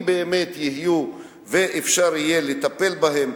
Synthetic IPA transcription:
beːme̞t̪jihiju | veʔefʃaʁije̞let̪ape̞lbaɦe̞m

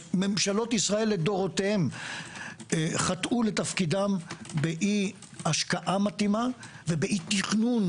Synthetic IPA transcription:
me̞mʃalo̞tisʁae̞lːed̪o̞ʁotehem | χat̪ʔule̞t̪afkidambeʔi | aʃkaʔamat̪ima | ve̞beʔit̪iχnun

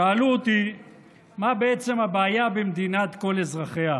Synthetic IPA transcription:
aːluot̪i | mabeet͡se̞mabeːjabemd̪inat̪ko̞lezʁaχea

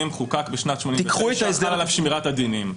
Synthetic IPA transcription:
imχukakbeʃnatʃmonit̪ivkχuet̪aezalalafʃmiʁat̪ad̪inim

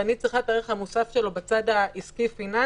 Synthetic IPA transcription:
anit͡sʁiχat̪aːʁiχhamusafʃe̞lobat͡sadaʔiskifina

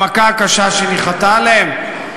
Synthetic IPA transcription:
akaːkaʃaʃeniχat̪aleem

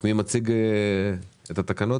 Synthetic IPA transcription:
mimat͡siɡ | et̪at̪akanot

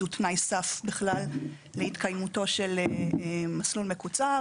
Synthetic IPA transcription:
utnajsafbeχlalː | eitkajmuto̞ʃe̞l | maslulmekut͡sa

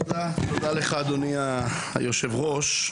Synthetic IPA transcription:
datod̪aleχaːd̪onia̰ | joʃe̞vʁoʃ

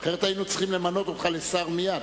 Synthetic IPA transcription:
aχeʁet̪ajinut͡siχimle̞mano̞t̪o̞t̪χalesaʁmijad̪

